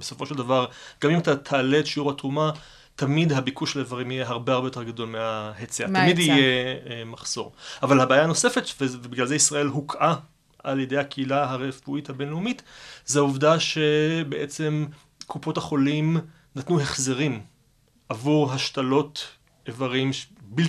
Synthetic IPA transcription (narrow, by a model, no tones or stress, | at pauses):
besofo̞ʃeldavaʁɡ̥amimatat̪ʰaːletʃiuʁhatʁuma | tamidɦabikuʃelevaʁimijeɦaʁbeaʁˠbe̞joteɡadolmeahet͡sea̰t̪amidijemaχz̥o̞̰ʁavalhabaːjaːno̞se̞fetvebiɡlalzeisʁɐe̞lɦukʰʔa | ʔaljedejhakʰeilaɦaʁefuithabe̞nleumitzeauvdaʃe̞beʔet͡se̞m | kʰupo̞thaχo̞lim | natnuhe̞χzeʁim | ʔavuʁɦaʃtalo̞t | evaʁimbi